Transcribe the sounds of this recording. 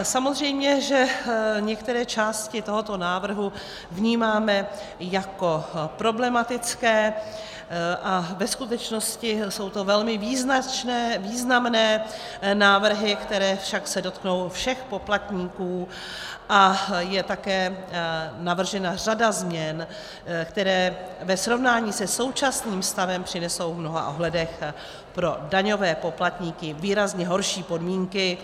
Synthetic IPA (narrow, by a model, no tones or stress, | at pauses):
samo̞zr̝ɛjmɲɛʒɛɲɛkt̪ɛɾɛːt͡ʃaːscɪt̪o̞ɦo̞t̪o̞naːvr̩ɦu | vɲiːmaːmɛ | jako̞pɾo̞blɛmat̪ɪt͡skɛː | ʔavɛskut̪ɛt͡ʃno̞scɪso̞wt̪o̞vɛlmɪviːznat͡ʃnɛviːznamnɛː | naːvr̩ɦɪkt̪ɛɾɛːfʃaksɛdo̞t̪kno̞wfʃɛxpo̞plat̪ɲiːkuː | ʔajɛt̪akɛː | navr̩ʒɛnar̝adazmɲɛn | kt̪ɛɾɛː | vɛsɾo̞vnaːɲiːsɛso̞wt͡ʃasniːmst̪avɛmpr̥ɪnɛso̞wvmno̞ɦa̰ʔo̞ɦlɛdɛx | pɾo̞daɲo̞vɛːpo̞plat̪ɲiːkɪviːɾazɲɛɦo̞ɾʃiːpo̞dmiːŋkɪ